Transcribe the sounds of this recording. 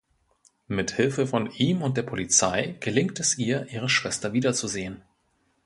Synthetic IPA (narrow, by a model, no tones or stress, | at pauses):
mɪthɪlfəfɔnʔiːmʊntd̥eːɐpʰolit͡saɪɡ̥əlɪŋktɛsʔiːɐʔiːʁ̞əʃv̥ɛstɐviːdɐt͡suzeːən